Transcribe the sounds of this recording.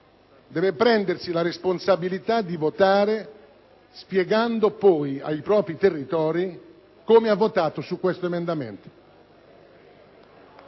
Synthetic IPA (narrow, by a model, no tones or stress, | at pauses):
d̪ɛːvepɾɛnd̪ersilaɾesponsabilit̪ad̪ivot̪aːɾe | spjeɡand̪opɔja̰jpɾɔːpɾit̪erːit̪ɔːɾi | komeavːot̪aːt̪osukːwest̪oemend̪amḛnt̪o̥